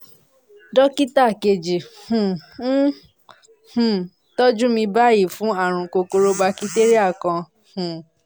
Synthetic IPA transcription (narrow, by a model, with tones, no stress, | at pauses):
dɔ˦ki˦ta˦˨ke˧˨d͡ʒi˨hũ˨˦ | hũ˨ | tɔ˦d͡ʒũ˦mĩ˧ba˦˨ji˦˨fũ˦a˦˨ɾ̃ũ˧ko˧ko˧ɾo˦ba˧ki˦te˦ɾi˦a˦˨kã˧ | hũ˨